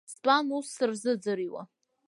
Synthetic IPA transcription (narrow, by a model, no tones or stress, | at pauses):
spʼanusːɨrzɨd͡zɨɾiwa̰